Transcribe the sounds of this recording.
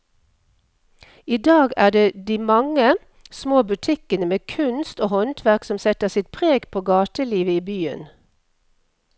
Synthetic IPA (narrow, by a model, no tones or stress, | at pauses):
iːd̪ɑːɡæːɖeːd̪iːmɑŋə | smoːbʉt̪ʰɪkənəmeːkʰʉnst̪oːhɔnt̪ʰʋæʁksɔmsɛt̪əʁsɪt̪̚pʰʁeːɡpʰoːɡɑːt̪əliːʋəiːbyːə̰n